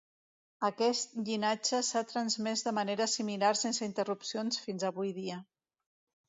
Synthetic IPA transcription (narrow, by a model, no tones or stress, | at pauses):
əkɛst̪̚ʎinad͡ʒəsat̪ɾənzmɛzd̪əməneɾəsimilarsensəint̪ərupsionsfinzəβujðiə